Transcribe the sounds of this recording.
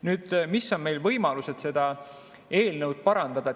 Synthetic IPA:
nyːd̪̥misːo̞nme̞jlvɤjmɑluse̞d̪̥se̞d̪̥ɑ | e̞ːlnɤwd̪̥̚pɑɾɑnd̪̥ɑd̪̥ɑ

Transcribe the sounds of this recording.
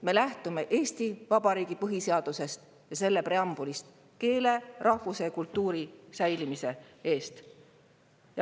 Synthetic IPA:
me̞læht̪ume̞ʔe̞ːst̪ivɑbɑɾiːɡ̥ipɤɦise̞ɑd̪̥use̞st̪ | jɑse̞lːe̞pre̞ɑmb̥ulist̪ | ke̞ːle̞rʔɑhvuse̞kult̪ˑːuːɾisæjlimise̞e̞ːst̪ | jɑ

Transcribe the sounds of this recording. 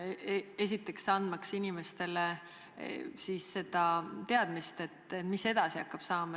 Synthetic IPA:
e̞s̬it̪ːˑe̞ksɑnd̪mɑksinime̞st̪e̞le | siːsːe̞d̪ɑt̪e̞ɑd̪̥mist̪e̞t̪ːˑet̪mise̞d̪̥ɑsiɑkːˑɑb̥sɑːmɑ

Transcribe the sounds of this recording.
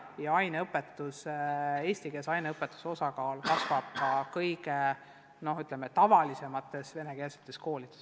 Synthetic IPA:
jɑɑjneɤpːˑe̞t̪ːˑuse̞ːsʲt̪ike̞sɑjneɤpːˑet̪ːˑu̥so̞sɑkɑːlkɑsvɑb̥̚kɑkɤjɡe | no̞ɦyt̪ːˑlemːet̪ɑvɑlise̞mɑt̪ːˑe̞sve̞ne̞keːsemt̪ːˑe̞sko̞ːlʲid̪̥es

